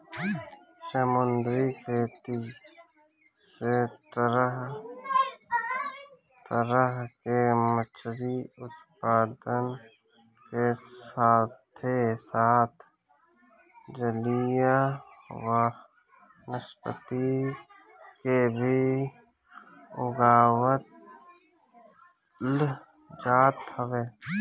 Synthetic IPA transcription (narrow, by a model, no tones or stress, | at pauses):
səmənd̪ɾikʰeːt̪i | setɾəɦ | t̪əɾəɦkemət͡ʃʰɾiʊt̪paːd̪ən | kesaːt̪ʰesaːt̪ʰ | d͡ʒəlijawə | nɪspə̰t̪i | kebʱi | ʊɡaːwət̪̚ | l | d͡ʒaːt̪həʋeː